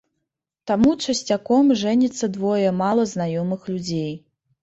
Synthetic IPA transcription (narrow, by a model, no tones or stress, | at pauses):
t̪amut͡ʂɐsʲt͡sʲakɔmʐɛnʲit̪sːɐd̪vɔjɛmalˠɐznajɔmɨxlʲud͡zʲej